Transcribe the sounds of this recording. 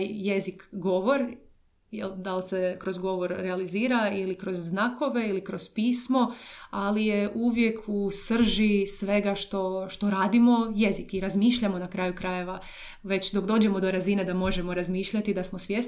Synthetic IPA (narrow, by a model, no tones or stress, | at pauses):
jje̞zikɡo̞ʋo̞ɾ | jḛld̪alˠsekɾo̞zɡo̞ʋo̞ɾːealiziːɾailikɾo̞zːnaːko̞ʋe̞ilikɾo̞zpiːsmo̞alije̞ʔuːʋje̞kʰusr̩ʒisʋe̞ɡaʃt̪o̞ʃt̪o̞ɾaːd̪imo̞je̞zikiɾazmiːʃʎamo̞nakɾaːjukɾaje̞ʋa | ʋe̞t͡ɕd̪o̞kd̪o̞ːd͡ʑe̞mo̞d̪o̞ɾazine̞d̪amo̞ʒe̞moɾazmiːʃʎat̪id̪asmosʋjes